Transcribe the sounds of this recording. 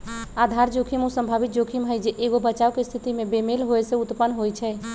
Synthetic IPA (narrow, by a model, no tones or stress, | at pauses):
ad̪ʱaɾd͡ʒokʰimusəmbʱabit̪̚d͡ʒokʰimɦəjd͡ʒeʔeɡobət͡ʃaokest̪ʰit̪imebemelɦoesẽut̪pənːɦojt͡ʃʰɛ